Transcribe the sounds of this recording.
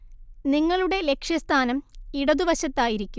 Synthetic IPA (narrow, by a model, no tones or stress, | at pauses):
niŋːɐɭuɽe̞le̞kʂjɐst̪ʰaːnɐmiɽɐðuʋɐɕɐt̪ːaːjiɾikʲːum